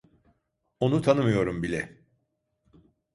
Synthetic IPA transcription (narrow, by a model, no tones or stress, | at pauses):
o̞nut̪ʰanɯmɯjo̞ɾumbilʲɛ